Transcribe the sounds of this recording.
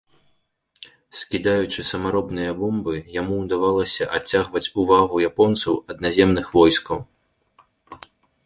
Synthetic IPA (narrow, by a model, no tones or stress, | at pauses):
skʲid̪ajut͡ʂɨsɐmaɾɔbnɨjɐbɔmbɨjamuwd̪avalˠɐsʲɐʔat͡sʲːaɣvɐt͡sʲuvaɣujapɔnt̪sɐwɐd̪nazʲɛmnɨxvɔjskɐw